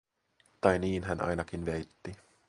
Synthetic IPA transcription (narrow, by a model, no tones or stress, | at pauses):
t̪ɑjniːnɦænʔɑ̰jnɑk̟inʋejt̪ːi